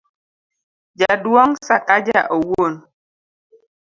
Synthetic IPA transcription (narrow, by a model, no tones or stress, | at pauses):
d͡ʒadwɔŋsakad͡ʒa̰ʔowon